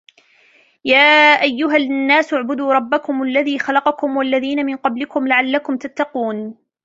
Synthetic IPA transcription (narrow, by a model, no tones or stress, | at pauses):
jaːʔajːʊɦanːaːsʔʊʕbʊd̪uːɾˤɑbːakʊmʔalːaðiːxɑlɑqɑkʊmwalːaðiːnamɪnqɑblɪkʊmlaʕalːakʊmt̪at̪ːɑquːn